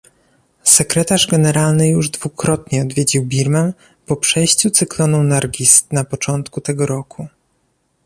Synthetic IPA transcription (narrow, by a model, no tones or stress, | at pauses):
sɛkɾɛt̪aʐɡɛnɛɾalnɘjuʐd̪vukɾɔt̪ɲɛɔd̪vʲjed͡ʑiwbʲiɾmɛm | pɔpʂɛjɕt͡ɕut̪sɘklɔnunaɾɡʲist̪napɔt͡ʂɔnt̪kut̪ɛɡɔɾɔkʰu